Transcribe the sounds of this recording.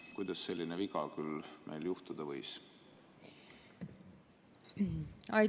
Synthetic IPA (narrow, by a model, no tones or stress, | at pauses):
kujd̪̥ɑsːe̞lːineviɡɑkylmʔḛjljuht̪ud̪̥ɑvɤjs | ɑ